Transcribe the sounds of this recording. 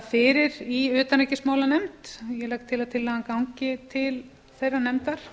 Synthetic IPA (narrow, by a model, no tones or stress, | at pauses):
fɪːɾɪɾiʏːt̪anecɪsmaːwlanɛmt̪jɛlak̚t̪ʰːɪlaðt̪ʰɪlːaːɣakawɲcɪt̪ʰɪl | θejrːanɛmt̪aɾ̥